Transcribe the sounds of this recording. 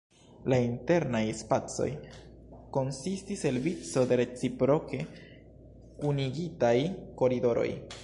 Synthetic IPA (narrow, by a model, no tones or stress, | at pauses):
lainte̞ɾnajspat͡so̞̰j | ko̞nsistise̞lvit͡so̞de̞ɾe̞t͡sipɾo̞ke̞ | uniɡitajko̞ɾido̞ɾo̞̰j